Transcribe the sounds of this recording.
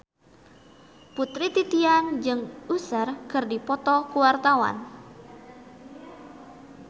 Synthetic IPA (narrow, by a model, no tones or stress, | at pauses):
put̪ɾit̪it̪iand͡ʒɨŋusərkɨrdipɔt̪ɔkuwart̪awa̰n